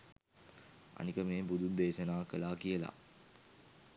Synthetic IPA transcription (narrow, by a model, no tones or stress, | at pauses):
a̰nikəmeːbud̪ʱud̪eːʃənaːkəlaːkijəla̰